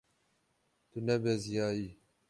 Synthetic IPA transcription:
t̪unɐbezijaːi

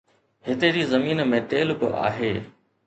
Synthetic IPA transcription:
ɦɪt̪eɾiːzəmiːnmẽːʈeːlbɪ̰ʔa̰ːɦeː

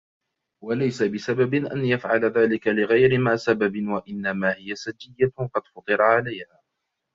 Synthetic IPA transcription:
walajsabɪsababɪʔanjafʕalaðaːlɪkalɪɣajɾɪmaʕsababɪwaʔɪnːamaːhɪjasad͡ʒːɪjːaqɑd̪fɑt̪ˤɨɾˤɑʕalajhaː

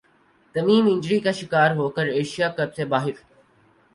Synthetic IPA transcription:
t̪ɐmiːmɪ̃ɲd͡ʒɾiːkaːʃɪkaːɾɦoːkəɾeːʃijaːkəbsebaːɦɪɾ

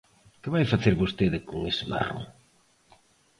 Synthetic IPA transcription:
kɪβajfaθeɾβost̪eðɪkoŋesɪma̰ro̰

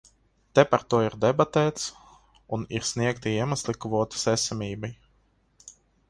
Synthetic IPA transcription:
t̪ɛpaɾt̪uɔiɾd̪ɛbat̪ɛːt̪s | uniɾsniɛkt̪iiɛmaslˠikvuɔt̪i̥sɛsamʲiːbaj

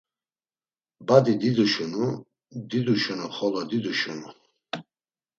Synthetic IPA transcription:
bad̪id̪id̪uʃunu | d̪id̪uʃunuχɔlɔd̪id̪uʃunu

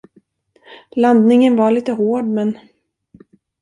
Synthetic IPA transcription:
land̪nɪŋənvaɭiːt̪əɦoːɖmɛn

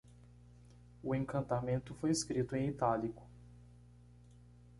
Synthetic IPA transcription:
ʊẽŋkɐ̃nt̪amẽnt̪ʊfojeskɾit̪ʊẽit̪alikʊ̥

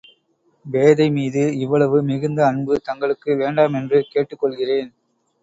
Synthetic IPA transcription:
ʋeːðɐɪmiːðɯɪʋːɐɭɐʋɯmɪɣɯnd̪ɐːɳbɯt̪ɐŋɡɐɭɯkːɯʋeːɳɖaːmɛndrɯkeːʈːɯkːɔɭɣɪreːn

